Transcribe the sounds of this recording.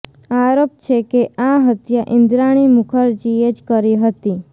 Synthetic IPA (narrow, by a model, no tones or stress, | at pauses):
aɾop̚t͡ʃʰekeʔaɦət̪jaʔɪ̃nd̪ɾaɽ̃imʊkʰəɾd͡ʒied͡ʒkəɾiɦət̪i